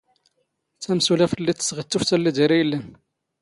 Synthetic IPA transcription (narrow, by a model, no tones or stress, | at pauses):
t͡sːæmsulæfəlːit̪ːə̥sʁət̪ːuft̪ælːid̪əɾijlːən